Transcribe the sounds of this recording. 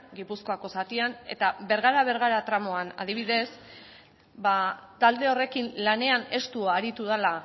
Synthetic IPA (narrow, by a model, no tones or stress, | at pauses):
ɡipusko̞ako̞sat̪iane̞̰t̪abe̞ɾɣaɾaβ̞e̞ɾɣ̞aɾat̪ɾamo̞ana̰ðiβ̞iðe̞s | bat̪ald̪e̞o̞re̞kinlane̞ane̞st̪uːɾit̪uð̞ala